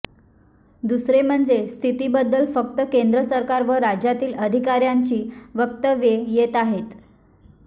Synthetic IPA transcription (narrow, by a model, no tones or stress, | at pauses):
d̪usɾem̤əɳd͡zest̪ʰit̪ibəd̪ːəlfəkt̪əkend̪ɾəsəɾkaɾʋəɾad͡ʑjat̪iːləd̪ʱikaɾjaɲt͡ɕiːʋək̚t̪əʋjejet̪aɦet̪